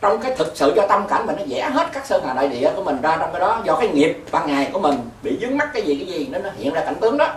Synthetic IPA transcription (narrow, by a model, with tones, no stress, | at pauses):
t͡ɕɔ˧wŋ͡mkaː˨˦jt̪ʰɨ˨˩k̚sɨ̰˧˨zɔ˧t̪ə˧mka̰˧˩ŋ̟ma˨˩nɔ˨˦zɛ̰˧˩ɦe˦˥t̚kaː˦˥k̚səː˧ŋhaː˨˩ɗa̰ː˧˨ɗḭ˧˨ə˨ku˧˩əmï˨˩ŋ̟zaː˧t͡ɕɔ˧wŋ͡mkaː˨˦jɗɔ˨˦zɔ˧kaː˨˦jŋi˨˩əp̚vaː˧ŋŋa˨˩jku˧˩əmï˨˩ŋ̟ | ɓḭ˧˨zɨ˨˦əŋma˦˥t̚kaː˨˦jzi˨˩kaː˨˦jzi˨˩ne˧nːɔ˨˦hḭ˧˨ənzaː˧ka˧˩jŋ̟t̪ɨ˨˦əŋɗɔ˨˦